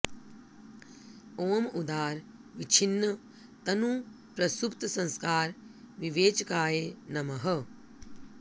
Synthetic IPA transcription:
oːmud̪aːɾʋit͡ʃʰinːɐ | t̪ɐnu | pɾɐsupt̪ɐsɐ̃nskaːɾ | ʋiʋeːt͡ʃɐkaːjeːnɐmɐɦɐ

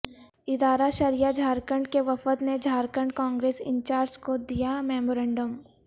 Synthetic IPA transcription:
ɪd̪aːɾaʃɐɾijad͡ʒʱaːɾkəɳɖkeʋɐfət̪ned͡ʒʱaːɾkəɳɖkãːŋɡɾeːsɪ̰̃ɲt͡ʃaːɾd͡ʒkod̪ijamɛːmoɾɛ̃ːɳɖəm

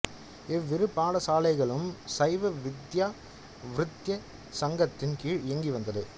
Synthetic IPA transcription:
ɛʋːɪɾɯpːaːɭɐsaːlɐɪɣɐɭɯmsɐɪʋɐʋɪd̪jaː | ʋɾɯt̪jɐ | sɐŋɡɐt̪ːɪnkiːɻɪɛŋɡiʋɐnd̪ɐðɯ

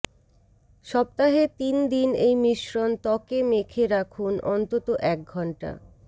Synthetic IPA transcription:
ʃɔb̚t̪aɦet̪ind̪inejmiʃɾont̪ɔkemekʰeɾakʰunʔɔnt̪ot̪oʔɛk̚ɡʱɔɳʈa̰

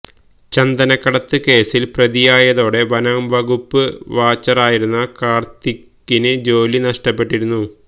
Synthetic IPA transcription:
t͡ɕɐnd̪ɐnɐkːɐɽɐt̪ːɨke̞ːsilprɐðijaːjɐðo̞ːɽe̞ʋɐnɐmʋɐɣupːɨʋaːt͡ɕːɐraːjiɾunːɐkaːrt̪ikːinɨd͡ʑo̞ːlinɐʂʈɐpːe̞ʈːiɾunːu

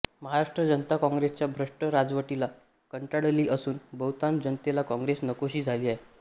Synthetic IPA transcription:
məɦaɾaʂʈɾəd͡ʑənət̪akɔ̃ŋɡɾest͡ɕjabʱɾəʂʈəɾad͡zʋəʈila | kəɳʈaɽliːʔəsuːnbəwt̪and͡ʑənt̪elakɔ̃ŋɡɾesnəkoɕiːd͡zʱaliːaɦe

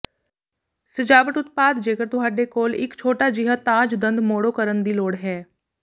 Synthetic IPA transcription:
səd͡ʒaːʋəʈʊt̪paːd̪d͡ʒeːkəɾt̪ʊɦaːɖeːkoːlɪ̰kt͡ʃʰoːʈaːd͡ʒɪɦat̪ãːd͡ʒd̪ə̃nd̪moːɽoːkəɾənd̪iːloːɽɦɛː

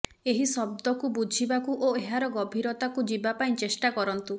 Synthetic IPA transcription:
eɦisɔb̚d̪ɔkubud͡ʒʱibakuʔoeɦaɾɔɡɔbʱiɾɔt̪akud͡ʒibapaĩt͡ʃesʈakɔɾɔnt̪u

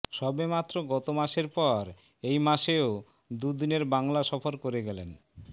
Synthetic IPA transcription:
ʃɔbemat̪ːɾoɡɔt̪omaʃeɾpɔɾ | ejmaʃeo | d̪ud̪ineɾbaŋlaʃɔfoɾkoɾeɡɛlen

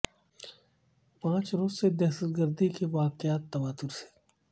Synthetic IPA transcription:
pãːt͡ʃɾoːzsed̪ɛɦʃət̪ɡəɾd̪ikeʋaːqɪaːt̪ːɐʋaːt̪ːʊɾse̥

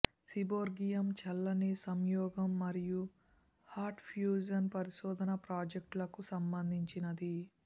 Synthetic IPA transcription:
siboːɾɡijɐmt͡ʃɐlːɐnisɐmjɔːɡɐmːɐɾiju | haːɾʈpʰjuːd͡ʒɐnpɐɾiʃɔːd̪ɐnɐpɾaːd͡ʒek̚ʈlɐkusɐmbɐnd̪ʱiɲt͡ʃinɐd̪i

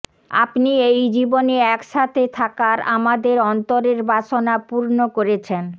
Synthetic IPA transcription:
a̰pniejd͡ʑiboneɛkʃat̪ʰet̪ʰakaɾa̰mad̪eɾɔnt̪oɾeɾbaʃonapuɾnokoɾet͡ɕʰen

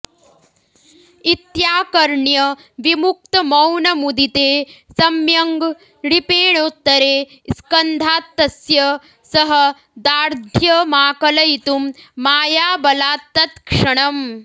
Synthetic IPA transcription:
it̪jaːkɐɾɳjɐ | ʋimuk̚t̪ɐmɐwnɐmud̪it̪eːsɐmjɐŋɡ | ɽipeːɳ̃ot̪ːɐɾeː | skɐnd̪ʱaːt̪ːɐsjɐ | sɐɦɐ | d̪aːɾd̪ʱjɐmaːkɐlɐit̪umːaːjaːbɐlaːt̪ːɐt̪kʂɐɽ̃ɐm

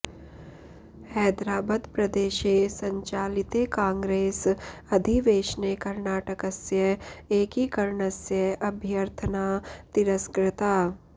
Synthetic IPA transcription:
hɛːd̪ɾaːbəd̪pɾɐd̪eːʃesɐ̃ɲt͡ʃaːlɪt̪ekãːŋɡɾeːsɐd̪ʱiʋeːʃnekɐɾnaːʈəkəsjəeːkikɐɾnəsjəɐbʱjəɾt̪ʰənaːt̪ɪɾəskɾɪt̪aː

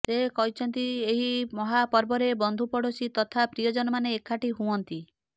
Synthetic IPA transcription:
sekɔɦit͡ʃʰɔnt̪ieɦimɔɦapɔɾbɔɾebɔnd̪ʱupɔɽɔsit̪ɔt̪ʰapɾijɔd͡ʒɔnɔmaneːkʰːaʈiɦuɔnt̪i

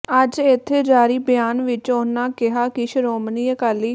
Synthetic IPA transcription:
əd͡ʒɪt̪ʰːeːd͡ʒaːɾiːbɪjaːnʋɪt͡ʃonːaːkɪɦaːkɪʃəɾoːməniːəkaːliː

